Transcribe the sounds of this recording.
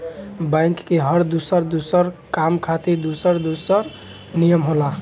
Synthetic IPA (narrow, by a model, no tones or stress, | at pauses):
bãɪkːeɦəɾd̪usəɾd̪usəɾkamkʰat̪ed̪usəɾd̪usəɾ | nijəmɦola